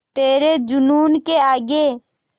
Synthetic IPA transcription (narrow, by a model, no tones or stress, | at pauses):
t̪eːɾed͡ʒʊnuːnkeaːɡe